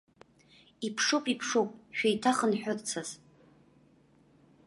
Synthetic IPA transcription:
ipʰʂupʼipʰʂupʼʃᶣajtʰaχənħʷᶣʊrt͡sʰaz̥

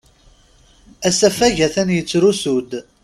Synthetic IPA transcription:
æsæfæʝæθænjət͡sːɾusud̪

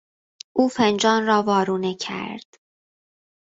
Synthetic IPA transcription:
ʔuːfend͡ʒɒːnrɒːvɒːɾuːnecʰæ̰ɾd̪̥

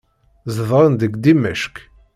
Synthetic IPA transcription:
zəðˤɾˤənd̪əɡd̪imæʃk

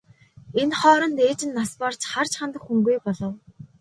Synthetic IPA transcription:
enχɔːɾɞ̆nt̪eːt͡ɕɪ̆nːaspart͡ɕχar̥t͡ɕχant̪ə̆xxuŋɡujpɔɮɞ̆w

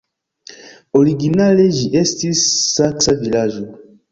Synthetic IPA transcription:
oɾiɡinaleʒiʔestisːaksavilaʒo

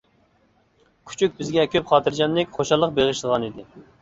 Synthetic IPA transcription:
kʲʰy̥t͡ʃʰyk̚ʲbɪzɡʲɛkʲʰøpχɑːt̪ʰɨɾd͡ʒɑnːɪkʲχoʃɑlˠːəq̚beʁɨʃlˠəʁɑnid̪ɪ

